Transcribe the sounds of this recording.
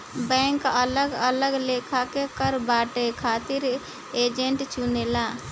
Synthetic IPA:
bɛːŋkələɡələɡleːkʰakekəɾbaːʈekʰaːt̪iɾ | eːd͡ʒeɳʈt͡ʃunela

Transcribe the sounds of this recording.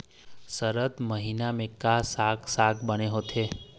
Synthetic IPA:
səɾət̪məɦinamẽkasaksakʰbəneɦot̪ʰe

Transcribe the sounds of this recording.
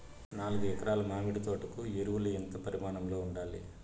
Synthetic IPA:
naːluɡuɛkɐɾaːlɐmaːmiɽit̪o̞ːʈɐkueɾuʋuluent̪ɐpɐɾimaːɳɐmlo̞ːuɳɖaːlḭ

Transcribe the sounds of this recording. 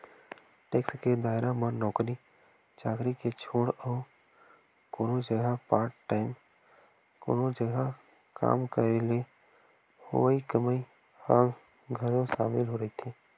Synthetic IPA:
ʈeːksked̪aːɪɾamɐɾnɔːkɾi | t͡ʃaːkɾiket͡ʃʰoːɽɔː | koːnõd͡ʒəɡʱapaːɾʈʈːaːɪm | ko̰ːnõd͡ʒəɡʱa | ka̰ːmkəɾele | ho̰ʋaikəməi | həɡ | ɡʱəɾõʃaːmɪlɦoɾɐɦit̪ʰeː

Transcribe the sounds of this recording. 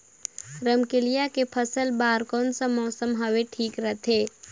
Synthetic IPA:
ɾəmkɪlijakepʰəsəlbaːɾkɔːnsə̃mɔːsəmɦəʋeʈʰiːkɾət̪ʰeː

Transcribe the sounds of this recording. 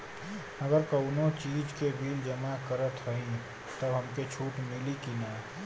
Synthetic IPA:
əɡəɾkəʊnot͡ʃiːd͡ʒkebʱiːld͡ʒəmakəɾət̪ɦəɦĩ | t̪əbɦəmket͡ʃʰuːʈmɪlikina

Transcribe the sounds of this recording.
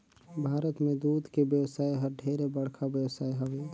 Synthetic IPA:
bʱaːɾət̪mẽd̪uːd̪kebjəwsaːjɦəɾɖʱeːɾebəɽ̤kʰabjəwsaːiɦəbe

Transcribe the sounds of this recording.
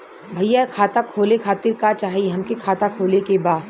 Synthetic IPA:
bʱɐjːakʰaːt̪akʰoːlekʰaːt̪ɪɾkat͡ʃaːɦiɦɐmkekʰaːt̪akʰoːlekebaː

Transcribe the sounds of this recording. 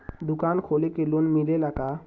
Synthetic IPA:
d̪ukankʰolekelunmilelaka

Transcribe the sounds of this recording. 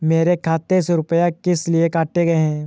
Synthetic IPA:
meːɾekʰaːt̪ːesɾʊpəjakɪsliekaːʈeɡɐeɦɛ̃ː

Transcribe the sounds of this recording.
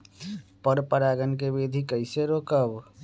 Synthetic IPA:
pəɾpəɾaːɡənkebeːd̪ʱikəɪseɾoːkəb

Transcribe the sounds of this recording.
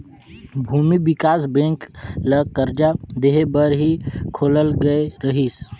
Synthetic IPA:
bʱuːmiɪkaːsbẽːŋkləkəɾd͡ʒad̪eɦebəɾɦikʰoːləlɡəeɾəɦis

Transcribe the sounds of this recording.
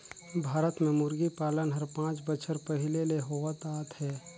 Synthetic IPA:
bʱaːɾət̪mẽmʊɾɡipaːlənɦɐɾpãːt͡ʃbət͡ʃʰəɾpəɦɪleleɦoːʋət̪aːt̪hɛː

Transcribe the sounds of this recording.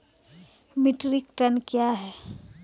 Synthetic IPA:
mɪʈɾikʈənkjaɦɛː

